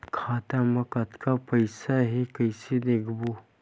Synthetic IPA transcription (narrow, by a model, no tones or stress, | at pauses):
kʰaːt̪amɐkɐt̪kapɐɪsaɦekɐɪsed̪eːkʰbo